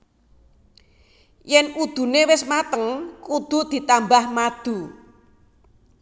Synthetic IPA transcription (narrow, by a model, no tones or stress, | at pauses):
jɛnud̪̥ṳnewɪsmat̪əŋkud̪̥ṳd̪̥i̤t̪ambahmad̪̥ṳ